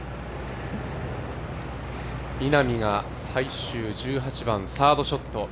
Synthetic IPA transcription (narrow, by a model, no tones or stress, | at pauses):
inamʲiɡa | saiɕɨːd͡ʑɨːɦat͡ɕibãñsaːd̪o̞ɕo̞t̪ːo̞